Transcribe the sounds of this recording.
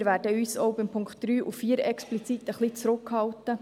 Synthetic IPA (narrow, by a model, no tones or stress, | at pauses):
ɾʋæːdəyːsɔʊbɪmpʰʊŋktd̥ɾyːʔufiːəɾɛksplit͡sit̪əχlit͡sɾʊkhɑltə